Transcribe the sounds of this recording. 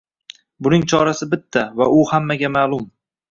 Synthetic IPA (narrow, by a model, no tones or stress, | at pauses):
bʊnɪŋt͡ʃʰɒɾasɪbɪt̪ʰːavaʔʊhamːaɡʲamaːlˠʊm